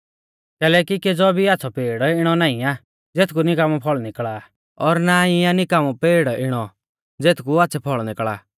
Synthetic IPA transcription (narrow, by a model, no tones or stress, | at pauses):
kɛːlɛːkiked͡zɔbʱiaːtːsʰɔpeːɽɪɽ̃ɔnaːĩa | d͡zeːt̪ʰkunɪkaːmɔ̃pʰɔɭnɪkɭaː | ɔɾnaianɪkaːmɔpeːɽɪɽ̃ɔ | d͡zeːt̪ʰkuatːsʰɛpʰɔɭnɪkɭa̰ː